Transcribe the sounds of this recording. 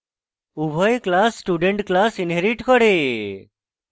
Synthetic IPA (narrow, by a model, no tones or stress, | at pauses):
ubʱɔjklasːʈuɖeɳʈklasinɦeɾiʈkɔɾe